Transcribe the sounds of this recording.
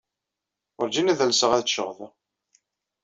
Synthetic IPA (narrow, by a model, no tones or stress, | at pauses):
ʊɾd͡ʒinæðælsəʁæðʃəʁðˤə